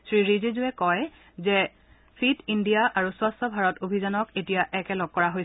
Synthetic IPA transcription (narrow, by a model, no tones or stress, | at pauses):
sɹiɹizizuɛkɔj | zɛ | sʰitindijaʔaɹuswastʰɔbʱaɹɔtobʱizanɔketijaʔɛkɛlɔɡ̚kːɔɹaɦojs